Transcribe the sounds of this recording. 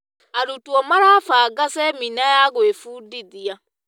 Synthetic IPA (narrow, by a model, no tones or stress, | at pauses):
aɾutuɔmaɾafaːɡasɛminajaɣwefuːdiðia